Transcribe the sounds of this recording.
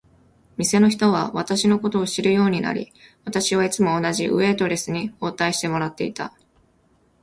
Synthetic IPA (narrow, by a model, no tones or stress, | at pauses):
mʲise̞no̞çi̥t̪o̞β̞a̰βat̪aɕino̞ko̞t̪o̞ːɕiɾɯ̟jo̞ːɲ̟ina̰ɾʲḭβat̪aɕiβait͡sɨmo̞ːnaʑiʔɯ̟̰e̞ːt̪o̞ɾe̞sɨɲ̟io̞ːt̪aiɕi̥t̪e̞mo̞ɾat̪ːe̞̰ḭt̪a̰